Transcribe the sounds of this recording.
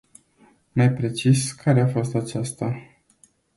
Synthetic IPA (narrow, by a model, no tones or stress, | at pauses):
majpɾe̞t͡ʃiskʰaɾe̞afo̞st̪at͡ʃast̪a